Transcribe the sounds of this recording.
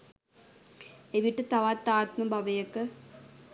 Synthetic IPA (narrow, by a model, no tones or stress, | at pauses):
eʋiʈːɨt̪ɐʋaːt̪ːaːt̪mɐmbʱɐʋɐjɐkːɨ